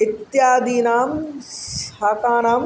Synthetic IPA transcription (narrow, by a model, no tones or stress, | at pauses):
ɪt̪jaːd̪iːnaːmsaːkaːnaːm